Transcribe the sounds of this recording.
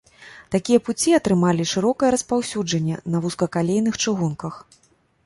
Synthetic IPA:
t̪akʲijɐput͡sʲiɐt̪ɾɨmalʲiʂɨɾɔkɐjɛɾɐspawsʲud͡ʐɐnʲːɛnɐvuskɐkalʲejn̪ɨxt͡ʂɨɣunkɐx

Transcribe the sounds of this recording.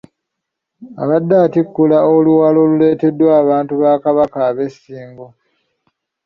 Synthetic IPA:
a̰βadːaːtikːulaoluwalo̞lule̞ːte̞dːwaːβaːntuβaːkaβakaːβe̞sːiːŋɡo

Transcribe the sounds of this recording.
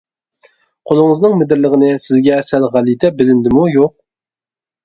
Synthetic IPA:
qʰolˠʊŋəznɨŋmɪd̪ɪɾləʁənɪsɪzɡʲɛsælʁælˠit̪ʰɛbɪlɪnd̪ɪmujoq̚

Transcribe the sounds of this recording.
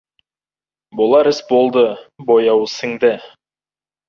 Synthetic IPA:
bolˠɑɾɪsbolˠd̪ɤbojɑwəsəŋd̪ɘ

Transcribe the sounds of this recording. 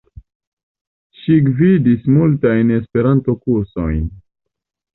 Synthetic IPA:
ʃiɡvidismultajne̞spe̞ɾanto̞kuɾso̞̰jn

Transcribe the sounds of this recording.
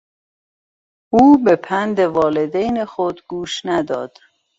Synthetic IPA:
uːbepʰænd̪evɒːled̪ejnexod̪ɡuːʃnæd̪ɒ̰ːd̪̥

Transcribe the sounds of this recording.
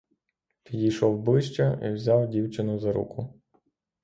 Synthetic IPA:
pʲidʲijʃɔwbɪʃt͡ʃɐʔḭwzʲawdʲiwt͡ʃɪnʊzɐɾṵkʰʊ

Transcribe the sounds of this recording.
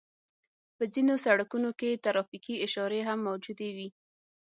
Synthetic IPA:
pəzinosaɽakunoket̪aɾɑfikiɪʃɑɾeɦamːawd͡ʒud̪ewi

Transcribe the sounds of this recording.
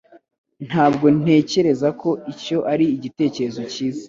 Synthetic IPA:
n̥haːbɡo̞n̥e̞ːce̞ɾe̞zakʰo̞ico̞ʔaɾiːɟite̞ːce̞ɾe̞zo̞ciːza

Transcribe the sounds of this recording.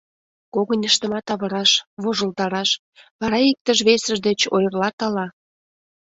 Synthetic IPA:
koɣənʲəʃt̪ə̆mɑt̪ɑβə̆ɾɑʃβoʒəlt̪ɑɾɑʃ | βɑɾɑik̚t̪əʒβesəʒd̪et͡ɕo̰jərlɑk̪ɑlɑ

